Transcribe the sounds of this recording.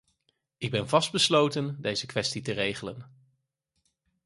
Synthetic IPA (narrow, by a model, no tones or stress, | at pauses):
ɪɡ̚bɛnvɑsd̚bəslowtəndejzəkʋɛstitərejχələn